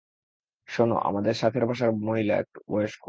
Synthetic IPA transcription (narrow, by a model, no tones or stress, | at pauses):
ʃono̰ʔa̰mad̪eɾʃat̪ʰeɾbʱaʃ̬aɾmoɦilaɛ̰k̚boeʃko